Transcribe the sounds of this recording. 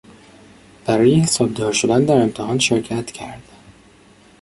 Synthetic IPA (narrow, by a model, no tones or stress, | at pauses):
b̥æɾɒːjehesɒːb̚d̪ɒːɾʃo̞d̪ænd̪æɾe̞mt̪ʰehɒːnʃeɾcʰæt̪cʰæɾd̪̥